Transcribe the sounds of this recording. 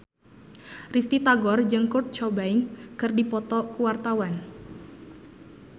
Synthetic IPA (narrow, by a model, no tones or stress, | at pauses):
rist̪it̪aɡɔrd͡ʒɨŋkurt̪̚t͡ʃɔbainkɨrdipɔt̪ɔkuwart̪awan